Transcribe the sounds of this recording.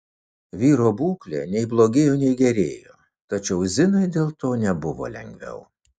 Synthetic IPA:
ʋʲiːɾoːbuːklʲḛːnʲɛɪblˠoːɡʲeːjoːnʲɛɪɡʲɛɾʲeːjoː | t̪ɐt͡ʃʲɛʊzʲɪnɐɪd̪ʲeːlˠt̪oːnʲɛbʊʋo̰ːlʲɛ̰ŋʲɡʲʋʲɛ̰ʊ

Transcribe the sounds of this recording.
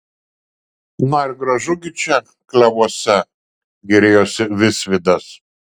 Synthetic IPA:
nɐɪɾʲɡɾɐʒʊɡʲɪt͡ʃʲɛ | klʲɛʋuɔsʲɛ | ɡʲɛɾʲeːjoːsʲɪʋʲɪsʲʋʲɪd̪ɐs

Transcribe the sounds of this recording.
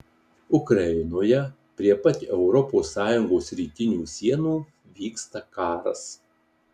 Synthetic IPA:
ʊkɾɐɪnoːjɛ | pʲɾʲiɛpɐt̪ʲːɛʊɾɔpoːsːɑːjʊŋɡoːsɾʲiːt̪ʲɪnʲuːsʲiɛnuː | ʋʲiːkst̪ɐkɑːɾɐ̰s

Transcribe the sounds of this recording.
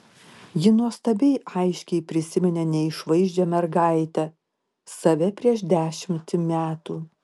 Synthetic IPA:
jɪnuɔst̪ɐbʲɛɪɐɪʃʲkʲɛɪpʲɾʲɪsʲɪmʲɛnʲɛnʲɛɪʃʋɐɪʒʲd͡ʒʲɛmʲɛɾɡɑɪt̪ʲɛ | sɐʋʲɛpʲɾʲiɛʃd̪ʲæːʃʲɪmʲt̪ʲɪmʲæːt̪uː

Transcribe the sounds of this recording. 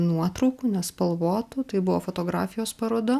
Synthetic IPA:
nuɔt̪ɾɐʊkuːnʲɛspɐlˠʋoːt̪uːt̪ɐɪbʊʋoːfoːt̪oːɡɾɑ̰ːfʲɪjoːspɐɾoːd̪ɐ

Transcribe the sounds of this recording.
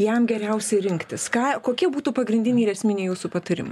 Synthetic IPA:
jɛmɡʲɛɾʲɛʊsʲɛɪɾʲɪŋkt̪ʲɪskɑːkoːkʲiɛbuːt̪uːpɐɡɾʲɪnʲd̪ʲɪnʲiːɾʲɛsʲmʲɪnʲɛːjuːsupɐt̪ɐɾʲɪ̰mɐɪ

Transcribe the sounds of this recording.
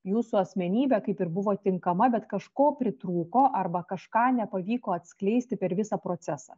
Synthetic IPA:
juːsuɐsʲmʲɛnʲiːbʲɛkɐɪpɪɾbʊʋoːt̪ʲɪŋkɐmɐbʲɛt̪kɐʃkoːpʲɾʲɪt̪ɾuːkoːʔɐɾbɐkɐʃkɑːnʲɛpɐʋʲiːkoːɐt̪ʲsklʲɛɪsʲt̪ʲɪpʲɛɾʋʲɪsɑpɾoːsʲɛsɑ̰ː

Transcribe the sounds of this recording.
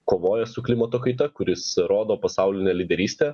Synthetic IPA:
koːʋoːjɛsʊklʲɪmɐt̪oːkɐɪt̪ɐkʊɾʲɪsɾoːd̪oːpɐsɑʊlʲɪnʲeːlʲɪd̪ʲɛɾʲiːsʲt̪ʲeː

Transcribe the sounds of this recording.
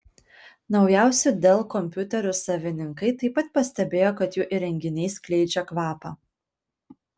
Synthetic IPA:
nɒʊjæˑʊsʲɛd̪ʲeːlˠkɔmʲpʲʊt̪ʲɛɾʲʊsɐʋʲɪnʲɪŋkɐɪt̪ɐɪpɐt̪̚pɐsʲt̪ʲɛbʲeːjoːkɐt̪juːʔiɾʲɛŋʲɡʲɪnʲɛɪsklʲɛɪd͡ʒʲɛkʋɑːpɑː

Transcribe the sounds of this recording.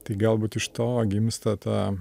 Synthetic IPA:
t̪ɐɪɡɐlˠbuːt̪ɪʃt̪oːɡʲɪmst̪ɐt̪ɑː

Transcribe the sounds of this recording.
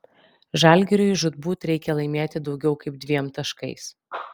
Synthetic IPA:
ʒɑˑlʲɡʲɛɾʲʊɪʒʊd̪buːt̪ɾʲɛɪkʲɛlˠɐɪmʲeːt̪ʲɪd̪ɒʊɡʲɛʊkɐɪp̚d̪ʲʋʲiɛmt̪ɐʃkɐɪs

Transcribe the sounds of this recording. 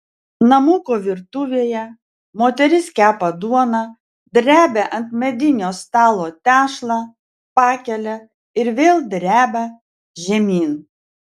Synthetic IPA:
nɐmʊkoːʋʲɪɾt̪uʋʲeːjɛ | moːt̪ʲɛɾʲɪskʲæːpɐd̪uɔnɐ | d̪ʲɾʲæːbʲɛʔɐnt̪ʲmʲɛd̪ʲɪnʲoːst̪ɑːlˠoːt̪ʲæːʃlˠɑ | pɑːkʲɛlʲɛ | ɪɾʋʲeːlˠd̪ʲɾʲæːbʲɐ | ʒʲɛmʲiːn

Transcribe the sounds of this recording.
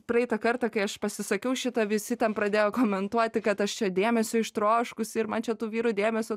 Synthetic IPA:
pɾɐɛɪt̪ɐkɐrt̪ɐkɐɪɐʃpɐsʲɪsɐkʲɛʊʃʲɪt̪ɐʋʲɪsʲɪt̪ʲɛnpɾɐd̪ʲeːjoːkoːmʲɛnt̪uɔt̪ʲɪkɐt̪ɐʃt͡ʃʲɛd̪ʲeːmʲɛsʲʊːɪʃt̪ɾoːʃkʊsɪɾmɐnt͡ʃʲɛt̪uːʋʲiːɾud̪ʲeːmʲɛsʲʊ

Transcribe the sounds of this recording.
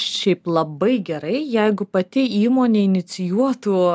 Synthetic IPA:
ʃʲɛɪplˠɐbɐɪɡʲɛɾɐɪjɛɪɡʊpɐt̪ʲɪiːmoːnʲeːɪnʲɪsʲɪjuɔt̪uː

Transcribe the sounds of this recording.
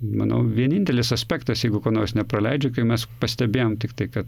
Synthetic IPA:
mɐ̰nɐ̰ʊʋʲiɛnʲɪnʲt̪ʲɛlʲɪsɐsʲpʲæːkt̪ɐsjɛɪɡʊkoːnoːrsnʲɛprɐlʲɛɪd͡ʒʲoʊkɐɪmʲɛspɐsʲt̪ʲɛbʲeːjoːmt̪ʲɪkt̪ɐɪkɐt̪

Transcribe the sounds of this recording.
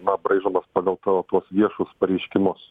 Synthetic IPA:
nɐbɾɐɪʒɐmɐspɑɡɐlˠt̪ɐt̪uɔsʋʲiɛʃʊspɐɾʲɛɪʃʲkʲɪmʊs

